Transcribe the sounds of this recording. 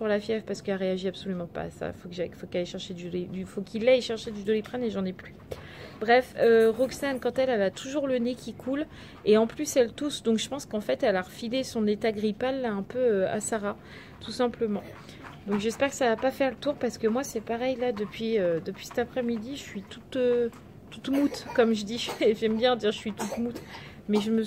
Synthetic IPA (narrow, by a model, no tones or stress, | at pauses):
puʁlafjɛvpaʁsə̥kɛaʁeaʒiabsolymɑ̃pa̰ːsa̰ifokəʒafokaleʃɛʁʃed̪yed̪yfokʲʰilːɛjʃɛʁʃed̪yd̪olepχɛneʒɑ̃nɛply | bʁɛføʁɔksankɑ̃t̪ɛlɛlat̪ʰuʒuʁlənekʲʰikʰul | eɑ̃plysɛlt̪usd̪ɔ̃kʒ̥əpɑ̃skɑ̃fɛt̪ɛlaʁəfilesɔ̃net̪aɡʁipalːaɛ̃pøøa̰saʁa | t̪usɛ̃pləmɑ̃ | d̪ɔ̃kʒɛspɛʁkə̥savapafɛʁlət̪uʁpaʁsə̥kəmwasɛpaʁɛjlad̪əpɥiød̪əpɥisɛ̥t̪apχɛmid̪iʒəsɥit̪ut̪ø | t̪ut̪mut̪kɔmʒəd̪iʒʒɛmbjɛ̃d̪iʁʒəsɥit̪ut̪mut̪ | mɛʒəmə